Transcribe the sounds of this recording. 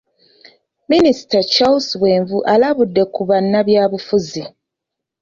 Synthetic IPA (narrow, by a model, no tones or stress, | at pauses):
minisi̥tat͡ʃawuswe̞ːɱvuʔalaβudːe̞kuβanːaβjaːβufuzi